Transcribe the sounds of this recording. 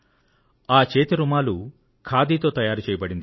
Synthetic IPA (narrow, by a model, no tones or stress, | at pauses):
aːt͡ʃeːt̪iɾumaːlu | kʰaːd̪iːt̪o̞ːt̪ɐjaːɾut͡ʃɛːjɐbɐɽind̪i